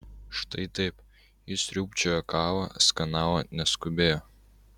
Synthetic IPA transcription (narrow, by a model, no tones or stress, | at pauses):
ʃt̪ɐɪt̪ɐɪp | ɪsʲɾʲuːpʲt͡ʃʲoːjɔkɑːʋɐskɐnɑːʋonʲɛskʊbʲeːjoː